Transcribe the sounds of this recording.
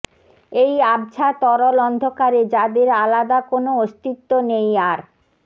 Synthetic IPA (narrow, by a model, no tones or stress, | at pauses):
ejabd͡ʑʰat̪ɔɾolɔnd̪ʱokaɾed͡ʑad̪eɾalad̪akonoost̪it̪ːonejaɾ